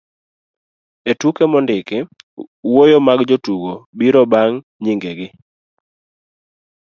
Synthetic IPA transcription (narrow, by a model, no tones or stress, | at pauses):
etukemɔndɪkɛwojomaɡd͡ʒotuɡobiɾɔbaŋ | ɲɪŋɡeɡɪ